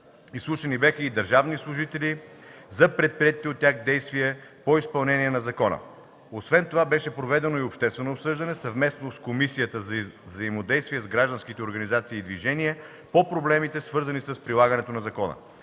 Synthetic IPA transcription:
islˠuʃənibʲaxəid̪ɐɾʒavnislˠʊʒit̪ɛli | zɐpɾɛt̪̚pɾiɛt̪it̪iot̪ːʲaxd̪ɛjst̪viɛpoispɐlˠnɛnʲiɛnɐzɐkɔnə̰ | osvɛnt̪ovabɛʃɛpɾovɛd̪ɛnoiopʃt̪ɛst̪vɛnoːpsɤʒd̪ɐnɛsɐvmɛsnoskomisijət̪əzvzɐimod̪ɛjst̪viɛzɡɾaʒd̪ɐnskit̪ɛoɾɡɐnizat̪siːd̪viʒɛniɛ | popɾoblɛmit̪ɛsvɤɾzənisəspɾilˠaɡɐnɛt̪onɐzɐkɔnə̰

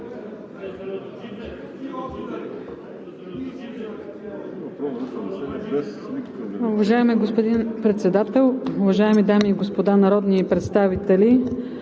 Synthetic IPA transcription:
ʊvɐʒaɛmiɡospod̪inpɾɛt̪sɛd̪at̪ɛlˠʊvɐʒaɛmid̪amiːɡospod̪anɐɾɔd̪niːpɾɛt̪st̪avit̪ɛli

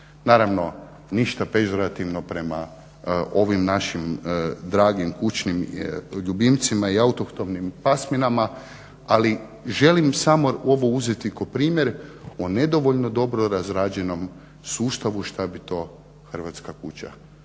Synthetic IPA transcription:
naːɾaʋno̞ | niʃt̪ape̞ʒoɾat̪iʋno̞pɾe̞ma | ʔo̞ʋimnaʃimd̪ɾaːɡimkut͡ɕnimʎubimt̪simaiaut̪okt̪o̞mnimpasminama | ali | ʒe̞limsamoo̞ʋo̞uzet̪ikopɾiːmjeɾone̞d̪o̞ʋoʎnod̪o̞bɾo̞ɾazɾad͡ʑe̞no̞m | suːst̪aʋuʃt̪abit̪o̞ | xər̩ʋat̪skakut͡ɕa̰

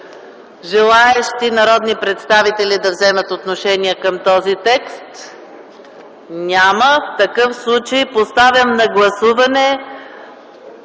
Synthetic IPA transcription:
ʒɛlˠaɛʃt̪inɐɾɔd̪nipɾɛt̪st̪avit̪ɛlid̪ɐvzɛmət̪ot̪noʃɛniəkəmt̪ɔzit̪ɛkst̪ | nʲaməft̪ɐkɤfslˠut͡ʃəjpost̪avʲɐmnɐɡlˠɐsuvɐnɛ

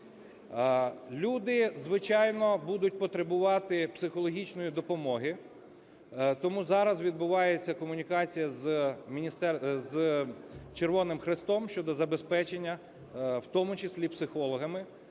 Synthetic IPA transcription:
lʲud̪ɪzʋɪt͡ʃɑjnɔbud̪ʊtʲpɔt̪ɾebʊʋɑt̪ɪpsɪxɔlˠɔɦʲit͡ʃnɔjid̪ɔpɔmɔɦi | t̪ɔmuzɑɾɐzʋʲid̪bʊʋɑjet͡sʲːɐkɔmʊnʲikɑt͡sʲijɐzmʲinʲist̪ɛz | t͡ʃeɾʋɔnɪmxɾɪst̪ɔmʃʲt͡ʃɔd̪ɔzɐbespɛt͡ʃenʲːɐ | wt̪ɔmʊt͡ʃɪsʲlʲipsɪxɔlˠɔɦɐmɪ

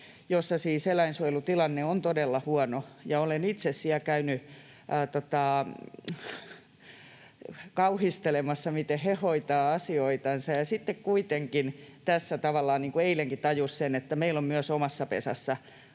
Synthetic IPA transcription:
josːɑsiːselæinsuojlut̪ilɑnːeont̪odelːɑhuɑnojɑolenit̪sessiækæyny | t̪ot̪ɑˑ | kɑuhist̪elemɑsːɑmit̪ehhehoit̪ɑːɑsioit̪ɑnsɑjɑsit̪ːekkuit̪eŋkint̪æsːæt̪ɑʋɑlːˑɑːnniːŋkueileŋkit̪ɑjussenet̪ːæmeilommyøsomɑsːɑpḛsɑ̰sːɑ

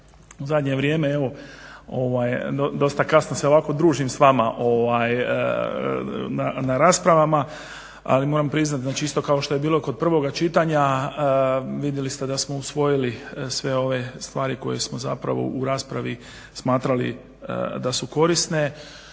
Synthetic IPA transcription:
uzad̪ɲe̞ʋɾje̞ːmeeʋo̞o̞ʋajd̪od̪o̞st̪akasnose̞oʋaːko̞d̪ɾuːʒimsʋamaʔo̞ʋaj̰ | nanaɾaːspɾaʋama | a̰limo̞ːɾampɾiznat̪znaːt͡ʃiist̪o̞kao̞ʃt̪o̞je̞biːlokod̪̚pr̩ʋo̞ɡat͡ʃit̪aɲa | ʋid̪jelist̪e̞d̪asmo̞usʋo̞jilisʋe̞o̞ʋe̞st̪ʋaːɾiko̞̰jesmoza̰pɾa̰ʋo̞̰ʔuɾaːspɾaʋi | smaːt̪ɾalḭ | ə̰d̪asuko̞ɾisne̞

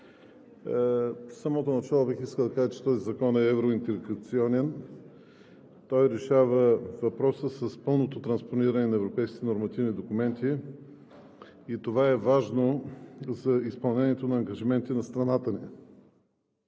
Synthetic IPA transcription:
sɐmɔt̪onɐt͡ʃalˠobixiskəlˠd̪ɐkaʒət͡ʃɛ̥t̪ɔzizɐkɔnɛɛvɾoint̪ɛlɡɐt̪siɔnɛn | t̪ɔjɾɛʃavəvɐpɾɔsəsəspɤlˠnot̪ot̪ɾɐnsponiɾənɛnɐɛvɾopɛjskʲit̪ɛnoɾmɐt̪ivnid̪okumɛnt̪i | it̪ovaɛvaʒnozɐispɐlˠnɛnʲiɛt̪onɐːŋɡɐʒimɛnt̪inɐst̪ɾɐnat̪əni

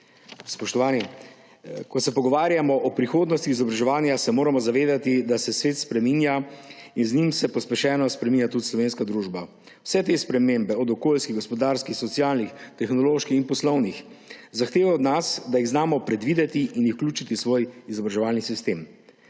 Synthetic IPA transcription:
spɔʃt̪ɔʋaːni | kɔsɛpɔɡɔʋaːɾjamɔʔɔpɾixoːd̪nɔst̪ixizɔbɾaʒɛʋaːnjasɛmoːɾamɔzaʋeːd̪at̪id̪asɛsʋeːt̪spɾɛminjainznimsɛpɔspɛʃɛːnɔspɾɛmiːnʲjat̪ud̪islɔʋeːnskad̪ɾuːʒba | wsɛt̪̬espɾɛmembɛɔd̪ɔkoːlskiɣɡɔspɔd̪aːɾskixsɔt̪sjaːlnixt̪ɛxnɔloːʃkixinpɔslɔwnixzaxt̪eːʋaɔd̪nasd̪ajiɣznaːmɔpɾɛd̪ʋiːd̪ɛt̪iʔiniwklʲuːt͡ʃit̪isʋoːjizɔbɾaʒɛʋaːlnisist̪eːm

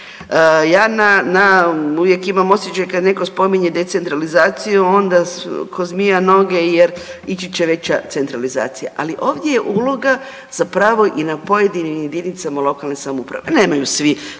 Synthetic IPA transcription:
jaːnanauʋje̞kimamo̞sʲjet͡ʃajkad̪ne̞ko̞spo̞miɲed̪et̪se̞nt̪ɾalizaːt̪sijuo̞nd̪akʰozmijano̞ɡe̞jeɾit͡ʃit͡ɕeʋe̞t͡ɕat̪se̞nt̪ɾaliza̰ːt̪sija̰ʔaliʔo̞ːʋd̪je̞jeʔuːlˠo̞ɡa | z̥apɾaʋo̞ʔinapo̞je̞d̪inimje̞d̪init̪samalˠo̞kalnesamupɾa̰ʋe̞ne̞ːmajusʋi

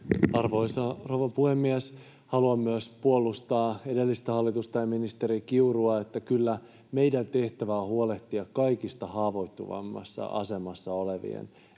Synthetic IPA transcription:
ɑrʋojsɑroʋɑpuhe̞mːies | hɑluɑmːyøspuolːˑust̪ɑːe̞de̞lːist̪æhɑlːit̪ust̪ɑjɑminist̪e̞ɾikiuruɑet̪ːækylːæ | me̞jdænt̪e̞ht̪æʋæːhuole̞ht̪iɑkkɑjkist̪ɑhɑːʋo̞jt̪ːṵʋɑ̰mːɑ̰sːɑ̰ʔɑ̰se̞mɑsːɑo̞le̞ʋḭḛn

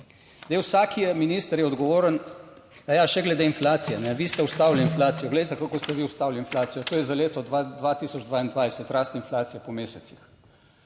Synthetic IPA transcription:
d̪ewsaːkijɛminist̪əɾjɛɔd̪ɡɔʋoːɾən | d̪̥ajaʃɛɡlɛd̪einflaːt̪sijɛnɛʋist̪ɛwst̪aːwliinflaːt̪sijɔɡlɛjt̪ɛkakɔst̪ɛʋiust̪awliinflaːt̪sijɔt̪oːjɛzaleːt̪ɔad̪ʋat̪iːsɔd͡ʒd̪ʋaind̪ʋajsɛt̪ɾast̪inflaːt̪sijɛpɔmeːsɛt̪six

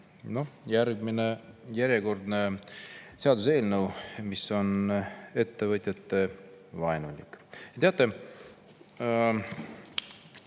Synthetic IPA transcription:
no̞jæɾɡminejæɾjeko̞rd̪ne | se̞ɑd̪use̞ːlnəwmiso̞ne̞t̪ːe̞vɤt̪ʲjɑt̪ːe̞vɑenulʲḭkːɑt̪eɑt̪ˑːe

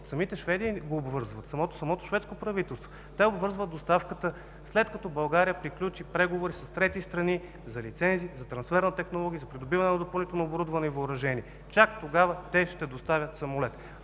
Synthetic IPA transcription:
sɐmit̪ɛʃvɛd̪iːɡoːbvɤɾzvɐt̪sɐmɔt̪o̥sɐmɔt̪o̥ʃvɛt̪skopɾɐvit̪ɛlˠst̪vo | t̪ɛobvɤɾzvəd̪̚d̪ost̪afkət̪ə | slɛt̪kɐt̪ɔbɐlˠɡaɾijəpɾiklʲut͡ʃipɾɛɡovoɾisɐst̪ɾɛt̪ist̪ɾɐni | zɐlit̪sɛnziːzɐt̪ɾɐnsfɛɾnɐt̪ɛxnolˠɔɡʲiəzɐpɾid̪obivɐnɛnɐd̪opɐlˠnit̪ɛlˠnooboɾud̪vɐnɛivəʊɾɐʒɛniɛ | t͡ʃakt̪oɡavət̪ɛʃt̪ɛd̪ost̪avʲət̪sɐmolɛt̪

